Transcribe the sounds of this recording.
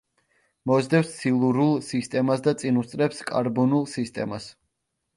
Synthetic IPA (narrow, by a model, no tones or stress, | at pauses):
mɔzd̪ɛpst̪sʰilˠuɾulˠsist̪ʼɛmasd̪at̪sʼinust̪sʼɾɛpskʼa̰ɾbɔnulˠsist̪ʼɛ̰mas